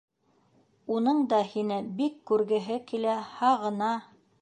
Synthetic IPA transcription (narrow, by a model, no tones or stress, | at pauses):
unɤɴd̪ɑhinɘbikːʉɾɡɘ̆ɦɘkilæhɑʁɤ̆nɑ